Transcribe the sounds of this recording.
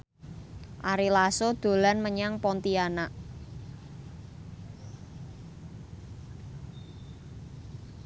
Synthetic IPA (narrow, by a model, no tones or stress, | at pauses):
ʔaɾilasod̪̥o̤lanməɲaŋpɔnt̪ianaʔ